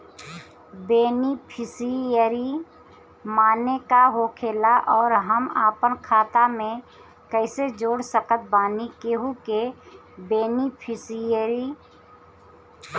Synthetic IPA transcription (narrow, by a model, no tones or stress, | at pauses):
beːnipʰɪsiəɾi | maːnekaɦoːkʰeːlaʔɔːɾɦəmaːpənkʰaːt̪amẽ | kɛɪsed͡ʒoːɽsəkət̪̚baːnikeɦuke | beːnipʰɪsijəɾi